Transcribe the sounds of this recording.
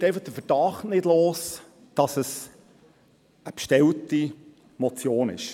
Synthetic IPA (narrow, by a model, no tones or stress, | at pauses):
t̪ejfɑχd̥əfəɾd̥ɑχtnɪdloːs | d̥ɑsəs | əpʃtɛlti | mɔt͡sjoːnɪ̰ʃ